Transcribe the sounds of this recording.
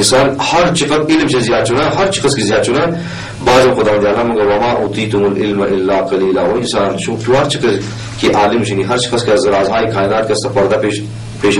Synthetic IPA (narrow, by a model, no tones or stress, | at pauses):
ɪnsaːnhɐɾt͡ʃʰiqɐt̪ɪlmt͡ʃizjaːd̪̚t͡ʃʰunaːɦɐɾt͡ʃʰɪ̥kɐskizijaːd̪t͡ʃʰuna | baːzxʊd̪aːɐnd̪jaːlaːmɐŋɡɐwɐmaːʔuːt̪iːt̪ʊmulʔɪlmɐʔɪlːaːqɐliːlawɐɪnsaːnʃut̪uɦɐɾt͡ʃʰikɐ | kiʔaːlɪmʃʰiniɦɐɾt͡ʃi̥kɐskezɐɾaːzɦaːikʰaːd̪aːt̪̚kɐst̪apɐɾd̪apeː | peːʃ